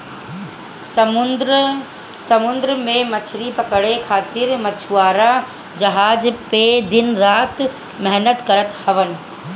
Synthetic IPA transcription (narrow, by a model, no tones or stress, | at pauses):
mʊ | sɐmʊnd̪ɾəmẽmɐt͡ʃʰɾipɐkəɽekʰaːt̪ɪɾmɐt͡ʃʰuaːɾa | d͡ʒɐɦaːd͡ʒped̪ɪnɾaːt̪ | mɛɦnət̪kɐɾət̪hɐʋənɪ̆